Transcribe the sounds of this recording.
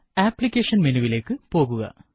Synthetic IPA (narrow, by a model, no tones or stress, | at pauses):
aːplikʲːeːʂɐnminuʋile̞ːkːɨpo̞ːɣuɣɐ̰